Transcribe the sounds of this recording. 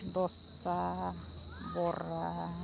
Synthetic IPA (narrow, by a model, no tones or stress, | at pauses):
t̪osːɑː | ʋorɑ